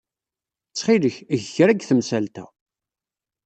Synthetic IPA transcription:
t͡sːχiləçʝçɾæɡθəmsælt̪æ̰

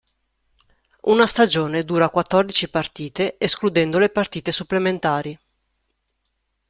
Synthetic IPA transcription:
ṵnast̪ad͡ʒoːned̪uːɾakwat̪ːɔrd̪it͡ʃipart̪iːt̪eesklud̪ɛnd̪olepart̪iːt̪esupːlement̪aːɾi

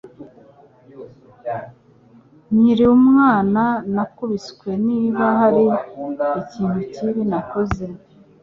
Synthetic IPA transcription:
ɲiɾiumŋaːnanakuβiskwe̞niːβaɦaɾiiciːn̥huciβinakoze

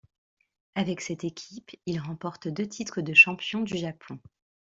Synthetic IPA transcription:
avɛksɛt̪ekʲʰipilʁɑ̃pɔʁt̪d̪øt̪ʰit̪χəd̪əʃɑ̃pjɔ̃d̪yʒapʰɔ̃

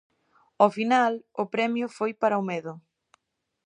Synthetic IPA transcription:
ofinalʊpɾɛmjʊfojpaɾɐomeðʊ

